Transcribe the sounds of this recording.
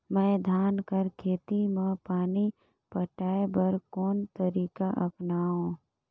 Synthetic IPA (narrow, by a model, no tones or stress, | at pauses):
mɛ̃ːd̪ʱaːnkəɾkʰeːt̪imãːpaːni | pəʈaːebəɾkɔːnt̪əɾiːkaʔɐpnaːɦõː